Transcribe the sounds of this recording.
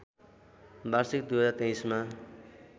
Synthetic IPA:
bʱarsik̚d̪uɦʌd͡zaɾt̪ẽj̃sma

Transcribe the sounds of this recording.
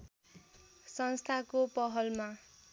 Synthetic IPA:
sʌnst̪ʰakopʌɦʌlma

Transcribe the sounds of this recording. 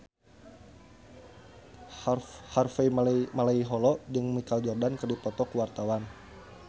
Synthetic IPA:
harfemalaiɦɔlɔd͡ʒɨŋmikald͡ʒɔrdankərdipɔt̪ɔkuwart̪awan

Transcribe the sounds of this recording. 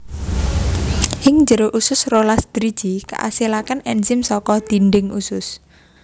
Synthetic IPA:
ʔɪŋɲd͡ʒəɾoʔusʊsrolasd̪̥ɾi̥d͡ʒ̥ika̰ʔa̰silakanɛnzɪmsɔkɔd̪̥i̤nɖɪŋʔusʊs

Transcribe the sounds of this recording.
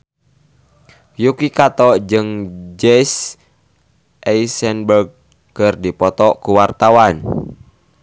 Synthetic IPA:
jukikat̪ɔd͡ʒɨŋd͡ʒɛs | ʔɛisɛnbərɡ̚ | kərdipɔt̪ɔkuwart̪awan

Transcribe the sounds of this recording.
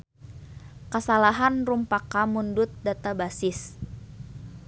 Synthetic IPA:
kəsalaɦanrumpakamundʊt̪̚dat̪abasɪs

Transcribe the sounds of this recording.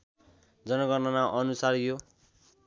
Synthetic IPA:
d͡zʌnʌɡʌnʌnaʔʌnusarjo

